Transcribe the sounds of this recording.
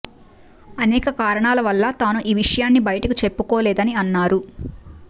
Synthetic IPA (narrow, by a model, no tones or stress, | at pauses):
ɐnɛːkɐkaːɾɐɳaːlɐʋɐlːɐt̪aːnuʔiːʋiʂɐjaːnːibɐjɐʈɐkit͡ʃe̞pːukɔːlɛːd̪ɐniɐnːaːɾu